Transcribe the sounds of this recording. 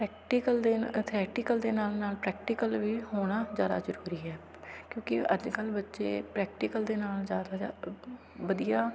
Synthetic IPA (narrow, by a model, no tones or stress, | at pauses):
pɾɛːk̚ʈikəld̪eːt̪ʰeɛːʈɪkəld̪eːnaːlnaːlpɾɛːk̚ʈɪkəlʋiːhoːɽ̃aːzjaːd̪a̰ːzəɾuːɾiːɦɛː | kjõːkɪə̰d͡ʒkəlbətːʃḛːpɾɛːk̚ʈɪkəld̪eːnaːlzjaːd̪aːa | bəd̪ijaː